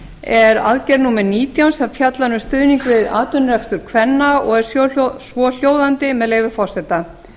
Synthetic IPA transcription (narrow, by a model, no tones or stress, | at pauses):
ɛɾa̰ðcɛɾnuːmɛɾniːt̪jawnsɛmfjat̪lanʏst̪ʏːðniŋkvɪða̰ːt̪ʏnrɛfst̪ʏɾ̥kʰvɛnːaɔɣɛɾ̥ssvɔːl̥joːwðant̪ɪmɛðleːjvɪ̥fɔr̥sɛt̪a